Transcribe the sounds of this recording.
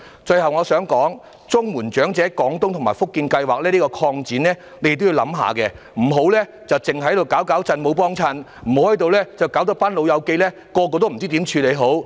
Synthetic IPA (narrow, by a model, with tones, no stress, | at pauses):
t͡ʃɵ˧jhɐ˨wŋɔː˨˧sœː˨˥ŋkɔː˨˥ŋ | t͡sʊ˥ŋmuː˨˩nt͡ʃœː˨˥ŋt͡sɛː˨˥kɔː˨˥ŋt̪ʊ˥ŋt̪ʰmaː˨˩jfʊ˥kːiː˧nkɐ˧jwaː˨˩k̚lɛː˥li˥kɔː˧kʰɔː˧ŋt͡siː˨˥nlɛː˥ | ne˧jk̚t̪ji˧wlɐ̰˨˥mɦa̰ː˨kɛ˧ | m̩˨˩ɦo˨˥wlɛː˥ | t͡sɐ˨wt͡sɪ˨˩ŋhɐ˨˧˥j̪o˨˩wkaː˨˥wkaː˨˥wt͡sɐ˧nmo˨˧wp̬ɔː˥ŋt͡sʰɐ˧n | m̩˨˩˨hɐ˨˥jt̪o˨wlɛː˥t͡sɐ˨wkaː˨˥wt̪ɐ˥k̚paː˥nlo˨˧wjɐ˨˧wke˧lɛː˥ | kɔː˧k̬ɔː˧t̪̬m̩˨˩t͡si˥t̪iː˨˥mt͡ʃʰyː˧le˨˧jɦo˨˥w